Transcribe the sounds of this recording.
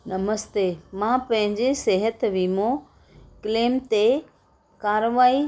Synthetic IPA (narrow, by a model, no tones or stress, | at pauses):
nɐməst̪eːmãpɐ̃ɦɪ̃ɲd͡ʑeseɦət̪ʋiːmõ | kɪleːmt̪e | kaːɾʋaːi